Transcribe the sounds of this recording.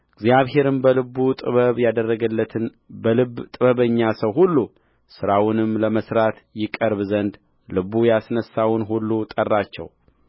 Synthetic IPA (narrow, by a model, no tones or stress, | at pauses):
ɨɡzjaβɦe̞ɾɨmbəlɨbut̪ʼɨ̰βəβjad̪ərːəɡəlːət̪ʰɨn | bəlɨbt̪ʼɨβəβəɲːasəwɦulːu | sɨɾawʊnɨmləməsɾat̪jɪkʼəɾβzənd̪ | lɨβujasnəsːawʊnɦulːut̪ʼərːat͡ʃːɛ̰w